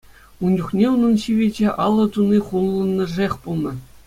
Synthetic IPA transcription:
und͡ʑuχnʲeunɤ̆nɕiʋʲed͡ʑeʔɑlˠːɤ̆t̪uniχulˠːɤ̆nːɤ̆ʐexʲpulˠnɤ̆

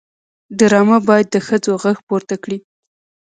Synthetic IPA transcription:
ɖəɾɑmabɑjad̪ːəxəd͡zoɣaxpoɾt̪akɽi

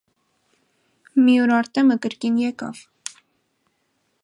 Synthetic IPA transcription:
miuɾɑɾt̪ɛməkəɾkinjɛkɑ̰v̥

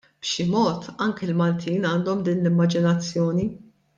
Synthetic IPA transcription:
b̥ʃɪmɔːt̪ɐŋkɪlmɐlt̪ʰiːnɐːnd̪ɔmd̪iːnlɪmːɐd͡ʒɪnɐt͡sːjɔːni

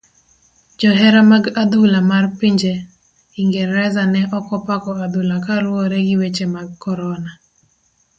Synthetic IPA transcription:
d͡ʒɔɦɛɾamaɡad̪ulamarpiɲd͡ʒe | iŋɡɛɾɛzanɛʔɔkɔpakɔad̪ulakaɾwɔɾɛɡɪwet͡ʃemaɡkɔɾɔna

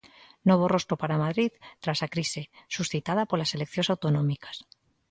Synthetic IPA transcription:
noβ̞orost̪ɾopaɾamaðɾiðt̪ɾasakɾisesusθit̪að̞apolaselekθjonsawt̪onõmikḁs

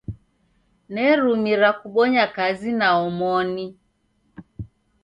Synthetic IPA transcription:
nɛɾumiɾakuɓɔɲakazinaɔmɔni

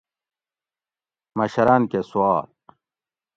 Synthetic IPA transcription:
mɐɕɐɾɐnkesuaːl

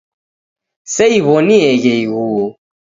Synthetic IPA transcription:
sɛiβɔniɛɣɛiɣu

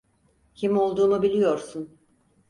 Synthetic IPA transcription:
cʰimo̞lˠd̪uːnubilʲijo̞ɾsun

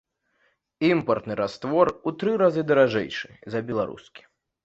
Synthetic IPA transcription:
impɐrt̪nɨɾast̪vɔrut̪ɾɨɾazɨd̪ɐɾaʐɛ̰jʂɨzɐbʲɛlˠaɾṵskʲi̥

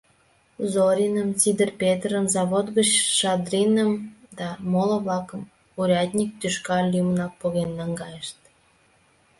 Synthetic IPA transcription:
zoɾʲinəmt͡sid̪ərpʲet̪rəmzɑβot̪ɡət͡ɕʃɑd̪rʲinəmd̪ɑmolə̆βlɑkəm | uɾʲɑd̪ʲnʲik̚t̪yʃkɑlʲːymnɑk̚poɣenːɑŋɡɑjəʃt̪̚

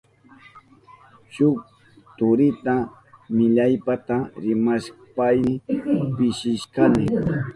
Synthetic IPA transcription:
ʃʊk̚ | t̪ʊɾɪt̪a | mɪʎajpat̪aɾɪmaʃ | pajɪpɪʃɪʃkanɪ

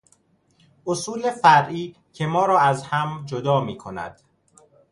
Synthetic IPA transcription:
ʔosuːlefæɾʔiː | cʰe̞mɒːɾɒːæzhæmd͡ʒod̪ɒːmiːkʰo̞næ̰d̪̥

